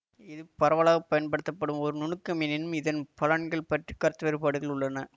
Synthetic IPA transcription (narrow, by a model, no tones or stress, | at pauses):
ɪðɯpɐɾɐʋɐːɭaːɣɐpːɐjɐnpɐɽɯt̪ːɐpːɐɽɯmɔɾɯnʊnɯkːɐmɪnɪnɯmɪðɐnpɐlɐɳɡɐɭpɐʈrikːɐɾt̪ːɯʋɐɾɯpaːɽɯɣɐɭʊɭːɐnɐ